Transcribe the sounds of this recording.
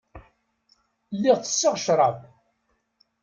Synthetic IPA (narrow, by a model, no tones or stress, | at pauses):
lːiʁt͡sə̥sːɪʁʃɾˤɑv